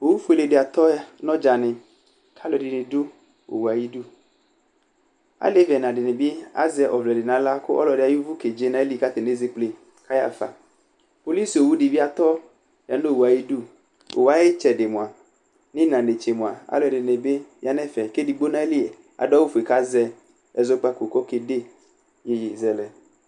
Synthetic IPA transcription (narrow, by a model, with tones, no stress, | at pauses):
wo˨wu˦fo˦e˨le˨ɖe˨a˨t̪ɔ˦nɔ̃˦d͡ʒa˨nɪ̃˨ | kʰa˦lɔ˨ɖɪ˨nẽ˨do˦ | o̰˨wu˨a˨ji˦du˦ | a̰˨˦le˦vɛ˨nã˨ɖɪ˨nẽ˨be˦a̰˦zɛ˨ʔɔ˨vlɛ˨ɖɪ˨nã˨la˦ko˦ʔɔ˦lɔ˨de˨a˨ju˦vu˦ke˨d͡ʒe˦nã˦e˦li˦˨ka˦t̪e˨ne˦ze˦k͡ple˨ | ka˦ja̰˦fa̰˨ | po˨li˦so˨wu˦ɖi˨vi˦a˨t̪ɔ˦ | ja˨˦o˦o˨u˨a˨ji˦du˦ | o̰˨wa˨˦e˦t͡ʃɛ˨ɖe˨mõ˨a˨ | nĩ˦nã˨ne˨t͡ʃe˨mõ˨a̰˨a̰˨lɔ˨ɛ˨de˨ne˨be˦mi˦a˨nɛ̃˦fɛ˨ke˦di˨ɡ͡bo˦nã˦e˦li˦˨ | a̰˨ɖɔ˦wu˦fu˨e˨ka˦zɛ˦ | ɛ˨zɔ˦k͡pa˦ko˨kɔ˦ke˨de˦ | je˦je˨zɛ˨lɛ˨